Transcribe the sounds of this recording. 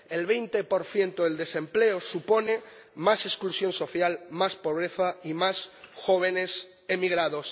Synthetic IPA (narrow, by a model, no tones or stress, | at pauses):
elβe̞jnt̪epo̞ɾθje̞nt̪oðe̞ld̪e̞sẽ̞mpleosupo̞ne | mase̞sklusjõ̞nso̞θjalmaspo̞β̞ɾeθaimasxo̞β̞ene̞s | emiɣɾaðo̞s